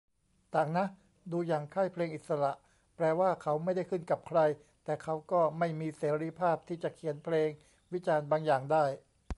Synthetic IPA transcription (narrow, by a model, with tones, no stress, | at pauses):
t̪aː˨˩ŋna˦˥ʔ | duː˧jaː˨˩ŋkʰa˥˩jpʰleː˧ŋʔi˨t̪̚sa˧ɾa˨˩ʔ | pɾɛː˧waː˥˩kʰa˦˥wma˥˩jda˥˩jkʰɯ˥˩nka˨˩p̚kʰɾa˧j | t̪ɛː˨˩kʰa˦˥wkɔː˥˩ma˥˩jmiː˧seː˩˦ɾiː˧˥pʰaː˥˩p̚t̪ʰiː˥˩t͡ɕa˨˩kʰi˩˦npʰleː˧ŋ | wi˦˥t͡ɕaː˧nbaː˧ŋjaː˨˩ŋdaː˥˩j